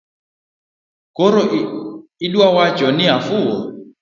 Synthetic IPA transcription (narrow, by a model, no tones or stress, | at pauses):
kɔɾɔ | iɗuwawad͡ʒɔniɦafuɔ